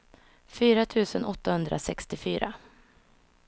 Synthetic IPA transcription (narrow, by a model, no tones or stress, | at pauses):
fyːɾat̪ʰʉ̟ːsənʔɔt̪ːahɵnd̪ɾʔa̰sɛkst̪ɪfyːɾa̰